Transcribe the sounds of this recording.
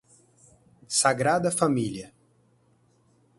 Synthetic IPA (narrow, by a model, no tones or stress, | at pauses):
saɡɾad̪ɐfamiliɐ